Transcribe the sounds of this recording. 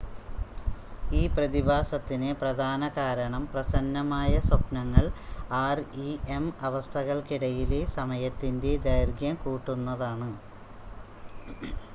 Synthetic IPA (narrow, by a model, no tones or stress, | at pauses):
iːprɐðibʱaːsɐt̪ːineprɐd̪ʱaːnɐkaːɾɐɳɐmprɐsɐnːɐmaːjɐswɐpnɐŋːɐɭaːriemɐʋɐst̪ʰɐɣɐɭkiɽɐjilesɐmɐjɐt̪ːinde̞d̪ɐjrɡjɐmkuːʈːunːɐðaːɳɨ